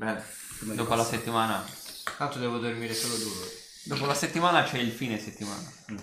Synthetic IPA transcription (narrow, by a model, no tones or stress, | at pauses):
bɾɛvo | d̪oːpolaset̪ːimaːnat̪ant̪od̪ɛːvod̪ormiːɾesoːlod̪uːɾo | d̪oːpolaset̪ːimaːnat͡ʃɛilfiːneset̪ːima̰ːna